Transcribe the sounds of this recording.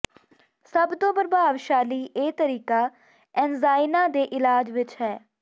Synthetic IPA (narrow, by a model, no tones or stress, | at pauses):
səbt̪õːbəɾbaːʋʃaːliːʔeːt̪əɾiːkaː | ɛːnzaːɪnãːd̪eːʔɪlaːd͡ʒʋɪt͡ʃɦɛː